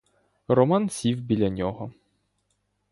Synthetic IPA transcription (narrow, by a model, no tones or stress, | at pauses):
rɔmansʲivbʲilʲanʲɔɦɔ